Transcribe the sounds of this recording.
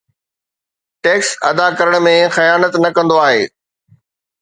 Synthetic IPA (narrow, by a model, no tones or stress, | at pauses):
ʈeːksɐ̰d̪akɐɾəɽ̃̆mẽxɐjaːnət̪nɐkɐ̃nd̪oaːɦeː